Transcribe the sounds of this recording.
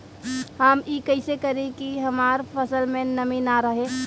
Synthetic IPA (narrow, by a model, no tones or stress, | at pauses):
həmikəɪsekəɾẽkiɦəmaːɾpʰəsəlmẽnəminaɾəɦẽ